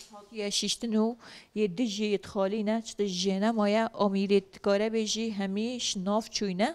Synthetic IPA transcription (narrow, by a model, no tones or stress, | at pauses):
hɑːt̪ijɛʃiʃt̪ɨnuːjeːd̪ɨʒijet̪xɑːliːnɛt͡ʃʰɨ̥t̪iʒeːnɛmɑːjɛʔɑːmiːɾed̪kɑːɾɛbeːʒiɦɛmiːʃnɑːft͡ʃʰuːjnɛ